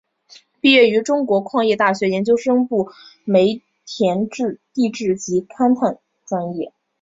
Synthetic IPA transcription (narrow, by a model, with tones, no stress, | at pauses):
pi˥˧ɥɛ˥˩y˧˥ʈ͡ʂʊ˥ŋkwɔ˧˥kʰwɑ˥˧ŋjɛ˥˧t̪a˥˩ɕɥɛ˧˥jɛ˧˥nt͡ɕjo˥ʊʂɤ˥ŋpu˥˩me˧˥ɪ | t̪ʰjɛ˧˥nʈ͡ʂɻ̩˥˧t̪i˥˧ʈ͡ʂɻ̩˥˩t͡ɕi˧˥kʰa˥nt̪ʰa˥˩ŋ | ʈ͡ʂa˥ŋjɛ˥˩